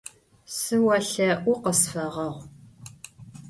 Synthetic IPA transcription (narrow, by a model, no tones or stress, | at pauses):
sɨwɐɬɐʔʷʊqəsfɐʁɐʁʷ